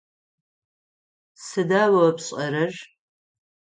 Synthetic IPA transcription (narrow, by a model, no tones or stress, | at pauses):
sɨdaːwɐpɕʼɐɾɐʒ